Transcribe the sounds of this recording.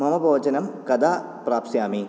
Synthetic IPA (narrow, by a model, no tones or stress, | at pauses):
mɐmɐbʱɐʋɐt͡ʃɐnɐmkɐd̪aː | pɾaːpsjaːmi